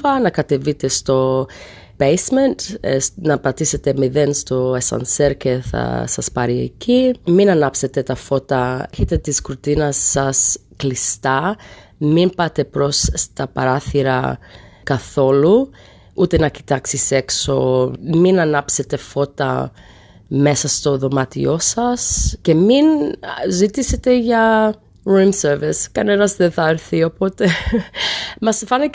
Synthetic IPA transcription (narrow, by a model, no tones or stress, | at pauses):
fɐnɐkɐt̪e̞vit̪e̞st̪o̞ | pejsme̞nt̪snɐpɐt̪ise̞t̪e̞miðenst̪o̞esɐ̰nse̞ɾce̞θɐ̰sɐ̰spɐɾiḛciminɐnɐpse̞t̪e̞t̪ɐfo̞t̪ɐeçet̪et̪iskɾut̪inɐsːɐsklist̪ɐ | mimpɐt̪e̞pɾo̞st̪ɐpɐɾɐθiɾɐ̰kɐθo̞lu | ut̪e̞nɐci̥t̪ɐksise̞kso̞minɐnɐpse̞t̪e̞fo̞t̪ɐ̰ | me̞sɐst̪o̞ðo̞mɐt̪ḭo̞sɐsce̞minzit̪iset̪e̞ʝɐ | ɹumseɾviskɐne̞nɐzðenθɐeɾθio̞po̞t̪e̞ | mɐsfɐni